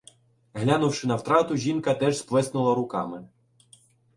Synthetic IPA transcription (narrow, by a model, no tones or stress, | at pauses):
ɦlʲanʊwʃɪnɐwt̪ɾɑt̪ʊʒʲinkɐt̪ɛʒsplɛsnʊlˠɐɾʊkɑmɪ